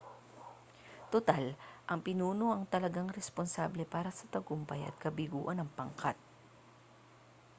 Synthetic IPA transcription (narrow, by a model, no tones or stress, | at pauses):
t̪ot̪alʔɐŋpɪnuːno̞ʔɐŋt̪ɐlɐɡaŋɾɛsponsablɛpaːɾɐsɐt̪ɐɡʊmpɐjɐ̰t̪̚kɐbɪɡuːʔɐnɐŋpɐŋkat̪̚